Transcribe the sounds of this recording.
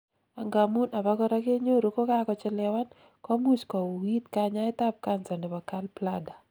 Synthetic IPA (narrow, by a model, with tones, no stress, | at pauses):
a˨ŋɡa˨mu˦na˨ba˦kɔ˦ɾa˦ke˦ɲo˦ɾo˨ko˦ka˦kɔ˨˦t͡ʃɪ˦lɛ˨wa˦n | kɔ˦mu˦skɔ˨wi˦t̪kaɲa˦ɪ˦t̪a˦p̚ka˦nsa˨nɪ˨ba˨ka˦lpla˦da˨